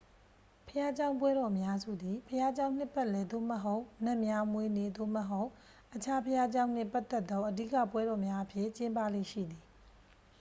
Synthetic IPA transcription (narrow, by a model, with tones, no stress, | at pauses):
pʰəja˦d͡ʑã˦ʊ̃mpwɛ˦ɾɔ˨mja˦zṵ˦˨d̪i˨pʰəja˦d͡ʑã˦ʊ̃n̥ɪ˦˨pːɛ˦˨ʔlɛ˨d̪o̰˦˨məɦo˦ʊn̥ɛ̃˦˨mja˦mwe˨ne˨d̪o̰˦˨məɦo˦ʊ | ʔət͡ɕʰa˦pʰəja˦d͡ʑã˦ʊ̃n̥ɪ̰̃˦˨pa˦t̪ɛ˦t̪ːɔ̃˦ʔədḭ˦˨ka̰˦˨pwɛ˦ɾɔ˨mja˦ʔəpʰjɪ̃˦˨t͡ɕɪ̃˦mpa̰˦˨lḛ˦˨ʃḭ˦˨d̪i˨